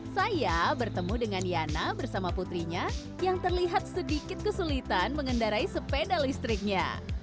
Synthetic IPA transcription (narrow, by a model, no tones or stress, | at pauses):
sajabərt̪əmudəŋanjanabərsamaput̪ɾiɲa | jaŋt̪ərliɦat̪̚sədikɪt̪̚kəsulit̪anməŋəndaɾaisəpedalist̪ɾɪk̚ɲa̰